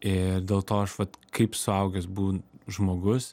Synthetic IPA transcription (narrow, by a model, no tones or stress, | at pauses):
ɪɾd̪ʲeːlˠt̪oːɐʃʋɐt̪kʰɐɪpsʊɐʊɡʲɛsbuːnʒmoːɡʊs